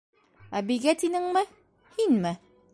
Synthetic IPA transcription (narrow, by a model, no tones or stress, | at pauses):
æbiɡæt̪inɘŋmɘ | hinmɘ